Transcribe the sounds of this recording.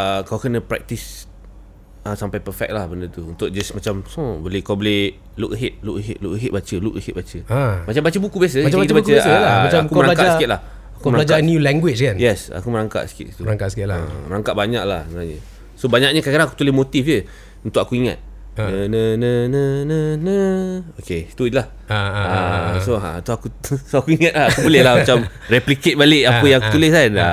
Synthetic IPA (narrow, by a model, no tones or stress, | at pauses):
əkawkənə̃pɾɛ̰k̚t̪is | əsampajpərfɛ̰k̚lahbəndət̪uunt̪ʊk̚d͡ʒasmat͡ʃamsõbolɪhkawbolɪh | luk̚əɦɪt̪̚lukɦɪt̪̚lukəɦit̪̚bat͡ʃəlukəhɪt̪̚bat͡ʃəamat͡ʃambat͡ʃəbukubias̬əait̪bakt͡ʃəasamaaakuəɾaakaasiɪt̪̚lah | akuməɾaad͡ʒanjulɛŋɡwɪt͡ʃkanjɛsa̰kuməɾaŋka̰ʔsi̥kɪ̰t̪t̪uɾaŋkasi̥kɪlaaməɾaŋkaʔ̪̚baɲak̚la̰hsnaɲə̰ | sobaɲaʔ̚ɲəkakiɾaŋaku̥t̪ulehmot̪ifə | unt̪ʊkakuiŋa̰t̪̚ | nənənənənənəoket̪udlah | aasoa̰nt̪uakusoakuiŋat̪̚lahakubəlelahmat͡ʃam | rɛpliket̪̚baleʔapəjãŋakut̪ulɪsana